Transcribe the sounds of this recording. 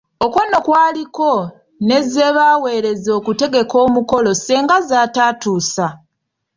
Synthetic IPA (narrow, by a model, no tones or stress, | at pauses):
o̞kwono̞kwaːliko̞ | ne̞ze̞βawe̞ːɾe̞zo̞ːkute̞ɡe̞ko̞ːmuko̞lo̞seːŋɡazaːtaːtuːsa